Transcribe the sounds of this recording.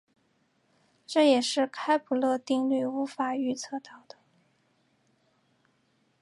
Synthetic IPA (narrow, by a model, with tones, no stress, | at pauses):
ʈ͡ʂɤ˥˩jɛ˨˩ʂɻ̩˥˩˧kʰa˥ɪpʰu˨˩lɤ˥˧t̪i˥˧ŋlwe˥˩ɪu˧˥fa˨˩y˥˧t͡sʰɤ˥˧t̪ɑ˥˩ʊd̪̥ə˩